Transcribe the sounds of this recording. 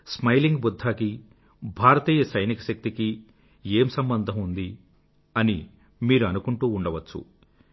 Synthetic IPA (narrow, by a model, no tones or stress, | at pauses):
smɐjliŋɡbud̪ʱːaːki | bʱaːɾɐt̪iːjɐsɐjnikɐʃɐk̚t̪iki | e̞ːmsɐmbɐnd̪ʱɐmund̪i | ɐni | miːɾuɐnukuɳʈuːɳɖɐʋɐt͡ʃːṵ